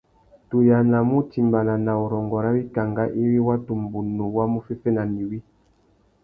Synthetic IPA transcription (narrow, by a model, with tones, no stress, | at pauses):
tu˨ja˨na˨mu˦ti˨mba˨na˨na˨ɔ˨ɾɔ˨ŋɡɔ˨ɾa˦wi˦ka˨ŋɡa˦ʔi˦wi˦wa˦tu˨m˨bu˨nu˨wa˦mu˦fi˦fɛ˦na˨ni˨wi˦